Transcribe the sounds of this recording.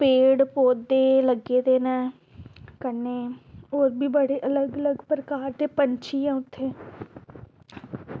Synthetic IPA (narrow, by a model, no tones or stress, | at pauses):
peːɽpoːd̪d̪eːləɡeːd̪eːnɛː | kəneːoːɾbʱiːbəɽeːʔələɡələɡpɾəkaːɾt̪eːpəɲt͡ʃʰiːjãːʊt̪ʰːeː